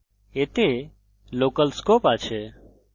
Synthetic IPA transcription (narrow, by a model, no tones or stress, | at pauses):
et̪e | lokəlskopat͡ʃʰe